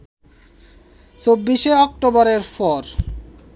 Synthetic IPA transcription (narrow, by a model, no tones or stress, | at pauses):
t͡ɕobːiʃeɔk̚ʈobɔɾeɾfɔɾ